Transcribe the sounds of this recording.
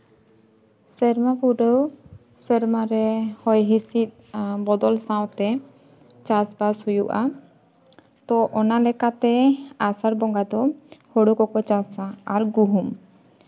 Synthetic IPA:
sɛɾmapuɖəw | sɛɾmaɾɛhɔjɦisit̪̚bɔd̪ɔlsaw̃t̪ɛ | t͡ʃasbashujuʔa̰ | t̪ɔʔɔnalɛkat̪ɛasaɾbɔŋɡad̪ɔhoɽukɔkɔt͡ʃasaaɾɡuɦum

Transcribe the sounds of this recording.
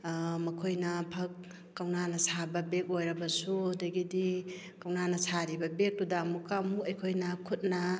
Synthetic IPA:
mɐkʰojnɐpʰɐkː | awnanɐsabɐbek̚ojɾɐbɐsudɐɡidi | kawnanɐsaɾibɐbek̚tudamukamukɐjkʰojnɐkʰut̚nɐ

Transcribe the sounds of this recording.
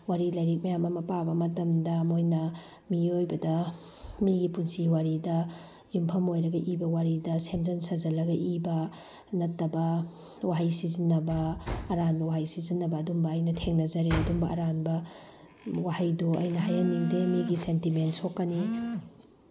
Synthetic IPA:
waɾilɐjɾik̚mɐjamɐmɐpabɐmɐtɐmdɐmojnɐ | miojbɐdɐ | miɡipunsiwaɾidɐ | jumpʰɐmojɾɐɡɐʔibɐwaɾidɐsemzɐnsazɐlɐɡɐʔibɐ | nɐtːɐbɐ | waɦajsizinːɐbɐːɾanbɐwaɦajsizinːɐbɐːdumbɐːjnɐtʰeŋnɐzɐɾeɐdumbɐʔɐɾanbɐ | wahajdoʔɐjnɐɦajaniŋdemiɡisentimentsokːɐni

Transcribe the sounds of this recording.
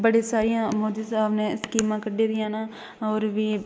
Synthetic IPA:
bəɽeːsaːɾijãːmoːd̪iːsaːbnẽːɪskiːmãːkəɖeːd̪ɪjãːnaː | ɔːɾʋiː

